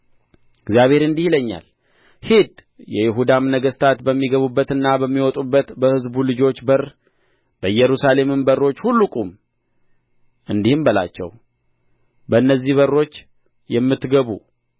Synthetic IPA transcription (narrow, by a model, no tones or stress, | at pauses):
ɪɡzijaβheɾɨnd̪ihiləɲːa̰l | hid̪ | jɛjɪɦud̪amnəɡəst̪ʰat̪bəmːiɡəβubːət̪ɨnːabəmːiwɔt̪ʼubːət̪bəhɨzbulɨd͡ʒo̞t͡ʃːbər | b̥əjɛɾusale̞mɨnbərːo̞t͡ʃːhulːukʼum | ʔɨnd̪ihɨmbəla̰t͡ʃːɛ̰w | bəɨnːəzːihβərːo̞t͡ʃː | jɛmːɨt̪ːɡəβu